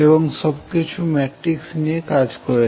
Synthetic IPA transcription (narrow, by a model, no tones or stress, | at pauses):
eboŋʃɔbkit͡ɕʰumɛʈɾiksnijekad͡ʑkɔɾe